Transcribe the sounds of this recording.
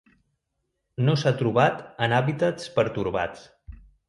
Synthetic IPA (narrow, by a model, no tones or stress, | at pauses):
nosat̪ɾuβat̪ənaβit̪ət͡spəɾt̪uɾβa̰t͡s